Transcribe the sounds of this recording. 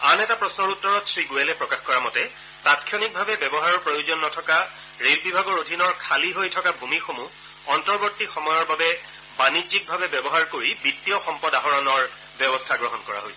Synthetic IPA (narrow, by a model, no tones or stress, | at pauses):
anɛtapɹɔsnɔɹutːɔɹɔtsɹiɡuɛlɛpɹɔkaxkɔɹamɔtɛ | tatkʰjɔnik̚bʱabɛbɛbɔɦaɹɔɹpɹojozɔnːɔtʰɔka | ɹelbibʱaɡɔɹodʱinɔɹkʰaliɦojtʰɔkabʱumixomu | ɔntɔɹbotːixɔmɔjɔɹbabɛ | banizik̚bʱabɛbɛbɔɦaɹkoɹibitːiɔxɔmpɔdaɦɔɹɔnɔɹ | bjɔbɔstʰaɡɹɔɦɔnkɔɹa̰ɦojsɛ̥